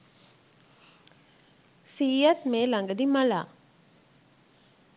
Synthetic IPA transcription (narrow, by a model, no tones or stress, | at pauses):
siːjat̪meːlaŋɡəd̪imala̰ː